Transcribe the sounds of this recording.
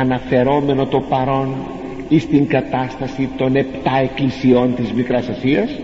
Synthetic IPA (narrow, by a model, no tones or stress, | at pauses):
ɐnɐfe̞ɾo̞me̞no̞t̪o̞pɐɾo̞n | ist̪iŋɡɐt̪ɐst̪ɐsit̪o̞ne̞pt̪ɐe̞klisio̞nt̪izmikɾɐsɐsiɐs